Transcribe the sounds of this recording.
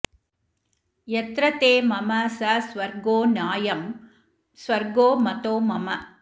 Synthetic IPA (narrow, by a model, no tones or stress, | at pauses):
jɛt̪ɾɐt̪eːmɐmɐsɐsʋɐɾɡoːnaːjɐm | sʋɐɾɡoːmɐt̪oːmɐmɐ